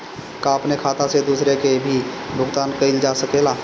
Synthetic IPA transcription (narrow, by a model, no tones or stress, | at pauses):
kãəpnekʰaːt̪ãsed̪uːsɾekebʱibʱʊɡt̪aːnkəɪld͡ʒaːsəkeːlaː